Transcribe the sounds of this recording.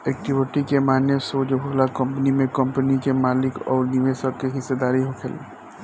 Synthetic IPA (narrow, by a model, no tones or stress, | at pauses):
ɛːk̚ʈɪʋɪʈikemaːnjəsoːd͡ʒɦoːlakə̃mpənimẽkəmpənikemaːlɪkɔːɾniʋesəɾkeɦɪsːed̪aːɾiɦokʰḛlḛ